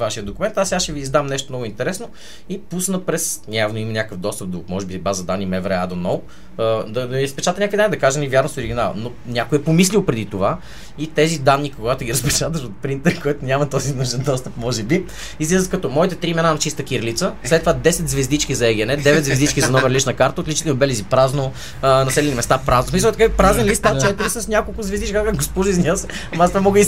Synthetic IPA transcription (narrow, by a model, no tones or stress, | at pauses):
vaʃijəd̪d̪okʊmɛnt̪asɛaʃɛviːzd̪amnɛʃ̬t̪omnɔɡʊint̪ɛɾɛsno | ipusnəpɾɛsnʲavnoimɐnʲakəfd̪ɔst̪əp̚d̪omɔʒɛbibazɐd̪anːimɛvɾɛad̪onɔlˠ | d̪ɐd̪ispɛt͡ʃat̪ənɲʲakvid̪anʲid̪ɐkaʒənivjaɾnost̪oɾiɡʲinal̰ˠno | nʲakojɛpomis̬lʲilˠpɾɛd̪it̪ova | it̪ɛzid̪anːikoɡat̪ʊɡʲiɾəspɛt͡ʃat̪əʃot̪̚pɾint̪ɛɾkoɛt̪onʲamɐt̪ɔzinuʒɛnd̪ɔst̪əpmɔʒɛbi | izlizəkɐt̪ɔmɔit̪ɛt̪ɾiːmɛnanɐt͡ʃist̪əkiɾlit̪səslɛt̪ːovad̪ɛsɛt̪zvɛzd̪it͡ʃkʲizɐɛɡʲiɛnɛd̪ɛvɛt̪zvɛzd̪it͡ʃkʲizɐnɔvɛɾlit͡ʃnɐkaɾt̪əot̪lʲit͡ʃit̪lˠnobɛlizipɾazno | nɐsɛlʲɛnimɛst̪apɾazosmis̬əlˠɛt̪ɐkapɾazɛnlist̪at͡ʃɛt̪iɾisəsnʲakolˠkʊzvɛzd̪it͡ʃkkɡospɔʒəiznʲiəsɐmast̪vamɔɡəi